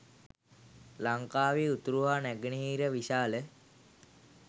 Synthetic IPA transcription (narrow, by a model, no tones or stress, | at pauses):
laŋkaːʋeːut̪uɾuɦaːnæɡəniɦiːɾəʋiʃaːlə